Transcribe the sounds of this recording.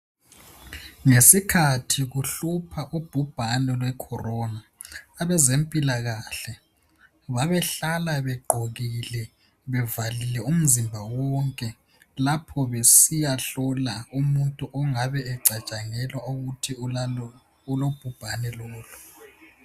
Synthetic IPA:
ŋesikʰatʰiɣuɬupʰaʔub̥ʱub̥ʱanɛlwɛkʰɔrɔnaː | βɛzempʼilaɣaɬɛ | βaβɛɬalaβɛɡ͡ǃʱoɣilɛ | βɛvalilɛum̩zimbʱawɔŋkʼɛ | lapʰɔβesijaɬɔlaumuntʼuʔɔŋaβɛɛǀat͡ʃʼaŋɛlwaoɣutʰi | ulob̥ʱub̥ʱanɛlɔːlu

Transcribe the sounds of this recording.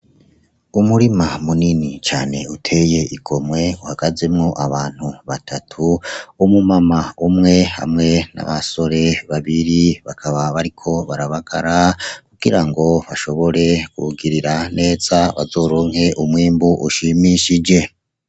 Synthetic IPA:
umuɾimamuninit͡ʃa̰ːne̞utʰe̞je̞ʔiɡo̞mwe̞uhaɡ̥aze̞mŋoʔaβaːn̥huβatʰatʰuumumamaumŋe̞ha̰mŋe̞na̰βaso̞ɾe̞βaβiɾiβakʰaβaβaɾikʰo̞βaɾaβaɡ̥aɾakuɡ̥iɾaŋɡo̞βaʃo̞βo̞ɾe̞kuɡiɾiɾane̞ːz̥aβa̰zo̞ːɾoːŋhe̞ʔumwiːmbuʔuʃimiʃid͡ʒe̞

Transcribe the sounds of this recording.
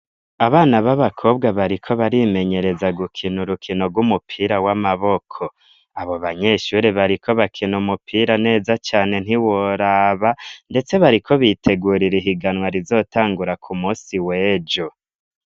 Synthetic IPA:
aβaːnaβaβakʰo̞ːbɡaβaɾikʰo̞βaɾime̞ɲe̞ɾe̞zaɡukʰinuɾukʰinoɡwumupʰiːɾawamaβo̞kʰo̞ | aβo̞βaɲe̞ːʃuɾiβaɾikʰo̞βakʰinumupʰiːɾane̞ːzat͡ʃaːne̞n̥iwoɾaβande̞t͡se̞βaɾikʰo̞βitʰe̞ɡuːɾiɾiɦiɡanwaɾizo̞ːtaːŋɡuɾakʰumuːsiwe̞ːd͡ʒo̞

